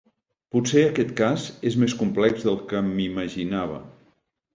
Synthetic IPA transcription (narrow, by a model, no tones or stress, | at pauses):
putseəkɛt̪kazezmeskumplɛɡzðəlˠkəmiməʒinaβ̞ə̰